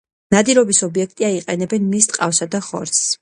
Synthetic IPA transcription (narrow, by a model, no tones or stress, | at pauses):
nad̪iɾɔbisɔbiɛk̚ʰt̪ʼiaiqʼɛnɛbɛnmist̪ʼqʼa̰fsad̪aχɔ̰ɾt̪ss